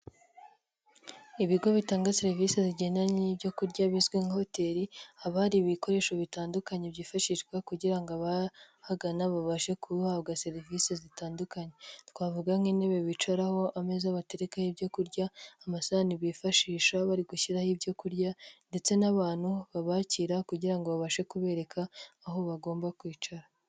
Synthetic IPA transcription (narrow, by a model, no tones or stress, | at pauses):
iβiɡo̞βitaːŋɡase̞ɾivise̞ziɟe̞naniːbɟo̞kuɾɟaβizɡweŋaho̞te̞ɾiaβaɾiβiko̞ɾe̞ːʃoβitaːndukaɲe̞bɟiːfaʃiʃɡwakuɟiɾaŋɡoaβa | haɡanaβaβaʃe̞kʰuhaβɡase̞ɾvisezitaːndukaɲe̞tkwaːvuɡaŋineβeβit͡ʃaɾaho̞ʔame̞zaβate̞ɾekahibɟo̞kuɾɟaːmasaniβiːfaʃiːʃaβaɾiɡuçiɾahibɟo̞kuɾɟande̞t͡se̞naβaːn̥huβaβaːciɾakuɟiɾaŋɡo̞βaβaʃe̞kuβe̞ɾe̞kʰaːɦo̞βaɡo̞ːmbakwiːt͡ʃaɾa